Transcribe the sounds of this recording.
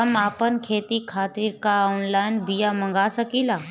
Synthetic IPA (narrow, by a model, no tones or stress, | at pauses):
ɐmaːpənkʰeːt̪ikʰaːt̪ɪɾkaɔːnlaːjɪnbijamɐ̃ŋɡasəkilaː